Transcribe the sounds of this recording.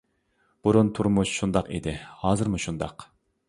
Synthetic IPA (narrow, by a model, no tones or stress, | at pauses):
b̥uɾunt̪ʰuɾmuʃʃund̪ɑqḭd̪ɪhɑːzɨɾmuʃund̪ɑ̰q